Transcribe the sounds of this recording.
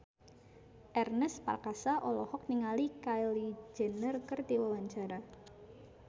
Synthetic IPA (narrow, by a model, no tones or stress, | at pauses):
ʔɛrnɛspa̰rkasaʔɔlɔhɔk̚niŋalikajlid͡ʒə̤nərkərt̪iwawaɲt͡ʃaɾa